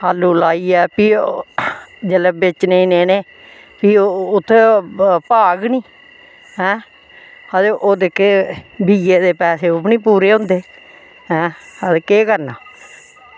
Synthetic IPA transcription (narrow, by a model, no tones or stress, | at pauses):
ɦaːlːuːlaːiːɛːpiː | d͡ʒelɛːbɪt͡ʃneĩːneːneː | piːʊt̪ʰːeːpaːɡnĩː | ɦɛ̃ː | əd̪eʔoːd̪eːkebʱiːeːd̪eːpɛːseːʊbnĩːpuːɾeːɦʊ̃nd̪eː | ɦɛ̃ːəd̪eːkeːkəɾnaː